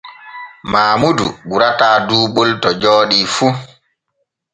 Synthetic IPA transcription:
maːmudṵɡuɾataːduːɓoltɔd͡ʒɔːɗifu

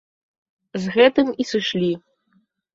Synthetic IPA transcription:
zɣɛt̪ɨmisɨʃlʲi

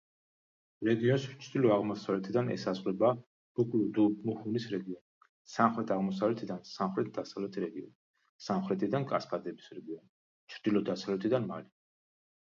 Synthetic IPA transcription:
ɾɛɡiɔnst͡ʃʰɾd̪ilɔaʁmɔsavlɛt̪ʰid̪anɛ̰sazʁlɛba | b̥ukʼlud̪umuχunisɾɛɡiɔni | samχɾɛt̪ʰaʁmɔsavlɛt̪ʰid̪ansamχɾɛt̪̚ʰd̪asavlɛt̪ʰɾɛɡiɔ̰n | samχɾɛt̪ʰid̪ankʼaskʼad̪ɛbisɾɛɡiɔni | t͡ʃʰɾd̪̥ilɔd̪asavlɛt̪ʰid̪anma̰li

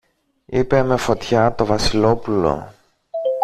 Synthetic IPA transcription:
ipe̞me̞fo̞t̪çɐt̪o̞vɐsilo̞pulo̞̰

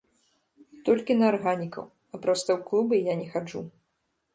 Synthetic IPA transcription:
t̪ɔlʲkʲinɐːrɣanʲikɐ̰w | ɐpɾast̪ɐwklˠubɐjanʲɛxad͡ʐṵ

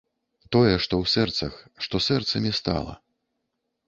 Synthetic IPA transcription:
t̪ɔjɛʂt̪ɔwsɛrt̪sɐx | ʂt̪ɔsɛrt̪sɐmʲist̪a̰lˠɐ̰

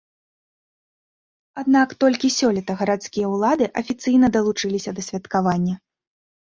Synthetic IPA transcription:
ad̪nakt̪ɔlʲkʲisʲɔlʲɛt̪ɐɣɐɾat̪skʲijɐwlˠad̪ɨʔɐfʲit̪sɨjnɐd̪ɐlˠut͡ʂɨlʲisʲɐd̪ɐsʲvʲɐt̪kavanʲːɐ

